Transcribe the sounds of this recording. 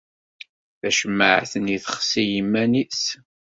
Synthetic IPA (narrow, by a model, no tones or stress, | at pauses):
θæʃəmːəʕθəniθəχsijəmːænis